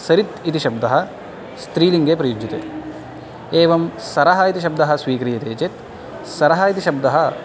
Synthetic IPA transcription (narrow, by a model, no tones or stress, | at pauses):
sɐɾit̪it̪iʃɐb̚d̪ɐɦɐ | st̪ɾiːliŋɡepɾɐjud͡ʒit̪ḛ | eːʋɐmsɐɾɐɦɐit̪iʃ̬ɐb̚d̪ɐɦɐsʋiːkɾijɐt̪eːt͡ʃet̪ | sɐɾɐɦɐit̪iʃɐb̚d̪ɐɦɐ